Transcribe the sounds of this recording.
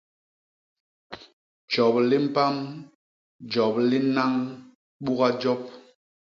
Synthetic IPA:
d͡ʒɔ˨p̚li˦m̩˦pa˦m | d͡ʒɔ˨p̚li˦na˦ŋ | ɓu˦ɣa˦d͡ʒɔ˦p̚

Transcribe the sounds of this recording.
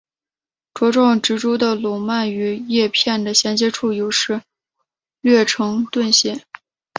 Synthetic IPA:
ʈ͡ʂwɔ˧˥ʈ͡ʂɑ˥˩ŋʈ͡ʂɻ̩˧˥ʈ͡ʂu˥d̪ə˨lʊ˨˩ma˥˩ny˧˥jɛ˥˧pʰjɛ˥˩nd̪ə˩ɕjɛ˧˥nt͡ɕjɛ˥ʈ͡ʂʰu˥˩jo˧˥ʊʂɻ̩˥˧ | ɥɥɛ˥˩ʈ͡ʂʰɤ˧˥ŋt̪wə˥˧nɕjɛ˥˩n

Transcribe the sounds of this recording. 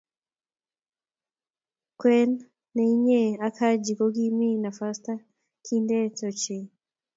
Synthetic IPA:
kwɛ˦nː | ɛiɲɛ˦akʰa˦d͡ʒi˨kɔɡi˦mi˦na˨fasta˦ | kʰindɛ˦tɔt͡ʃi

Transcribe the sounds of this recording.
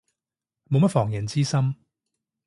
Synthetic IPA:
mo˨wmɐ˥t̚fɔː˨˩ŋjɐ˨˩nt͡siː˥sɐ˥m

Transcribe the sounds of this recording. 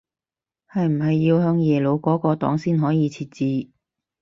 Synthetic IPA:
hɐ˨jm̩˨˩ɦɐ˨jːiː˧whœː˧ŋjɛː˨˩lo˨˧wkɔː˨˥kɔː˧t̪ɔ̰ː˨˥ŋsiː˥nɦɔː˨˥jiː˨˧t͡sʰiː˧t̚t͡siː˨˧

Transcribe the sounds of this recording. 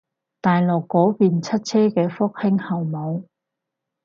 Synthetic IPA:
t̪aː˨jlɔ˨kːɔː˨˥kiː˨nt͡sʰɐ˥t̚t͡sʰɛː˥kɛː˧fʊ˥k̚hɪ˥ŋhɐ˨˩wmɐ˨˧w

